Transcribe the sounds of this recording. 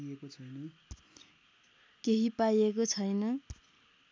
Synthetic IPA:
ekot͡sʰʌjnʌ | keɦipajekot͡sʰʌjnʌ

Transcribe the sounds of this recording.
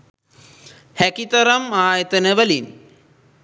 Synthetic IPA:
hɛkit̪ɐɾɐmaːjɐt̪ɐnəʋɐlin

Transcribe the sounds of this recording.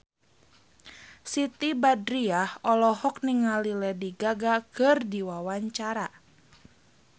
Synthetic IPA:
sit̪ibadɾiahɔlɔhɔk̚niŋalilɛdiɡaɡakɨrdiwawaɲt͡ʃaɾa

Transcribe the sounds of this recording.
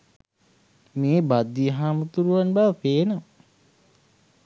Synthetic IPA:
meːbad̪ːiəɦaːmət̪uɾuʋanbaʋəpeːna

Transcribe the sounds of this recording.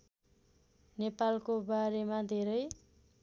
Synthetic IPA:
nepalkobaɾemad̪ʱeɾʌj

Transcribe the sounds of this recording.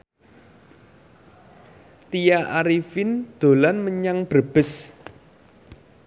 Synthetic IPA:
t̪ijaʔaɾifind̪̥o̤lanməɲaŋb̥ə̤b̥əs

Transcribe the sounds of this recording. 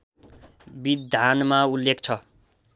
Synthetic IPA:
bid̪ʱanmaulːekt͡sʰʌ

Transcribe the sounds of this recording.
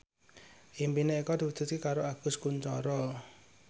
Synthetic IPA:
ʔimpineikɔd̪̥i̤wud̪̥ʊ̤t̪̚kekaɾoaɡ̥ʊ̤skuɲt͡ʃɔ̰ɾɔ

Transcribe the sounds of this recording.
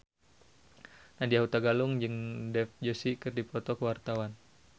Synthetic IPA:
nadiaɦut̪aɡalʊŋd͡ʒɨŋdɛfd͡ʒosikɨrdipɾɔt̪ɔkəwart̪awan

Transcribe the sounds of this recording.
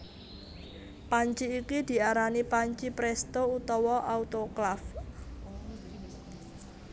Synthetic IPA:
paɲt͡ʃiːkid̪̥i̤aɾanipaɲt͡ʃipɾɛst̪out̪ɔwɔʔaut̪oklaf

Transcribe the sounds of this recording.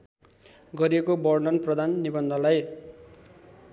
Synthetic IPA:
ɡʌɾiekobʌrɖʌnprʌd̪ʱanːibʌnd̪ʱʌlaj

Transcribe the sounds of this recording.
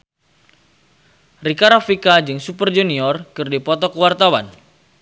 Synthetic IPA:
rikaɾafikad͡ʒɨŋsupərd͡ʒuniɔrkɨrdipɔt̪ɔkəwart̪awa̰n

